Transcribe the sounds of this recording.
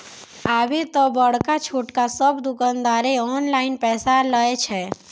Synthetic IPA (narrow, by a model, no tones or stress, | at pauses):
aːbet̪ɔbəɽkat͡ʃʰuːʈkasəbd̪ʊkãnd̪aːɾeɔːnlaːɪnpɛːsaləet͡ʃʰɛ